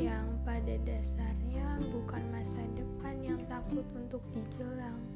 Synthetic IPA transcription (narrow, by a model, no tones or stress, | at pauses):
jaŋpadadasarɲabukanmasadəpanjaŋt̪akʊt̪unt̪ʊk̚did͡ʒəlaŋ